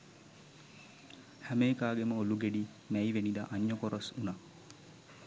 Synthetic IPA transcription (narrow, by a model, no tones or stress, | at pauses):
hæmeːkaːɡeməoluɡeɖi | mæiʋenid̪a̰ʔːɲːəkoɾosuna